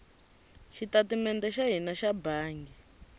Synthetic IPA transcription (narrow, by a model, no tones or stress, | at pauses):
ʃitatimɛndɛʃaɦinaʃabaːŋɡɛ